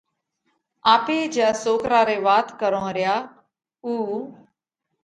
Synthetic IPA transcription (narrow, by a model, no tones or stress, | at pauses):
aːpeːd͡ʒjaːsoːkɾaːɾeːʋaːt̪kəɾõːɾɪjaː | uː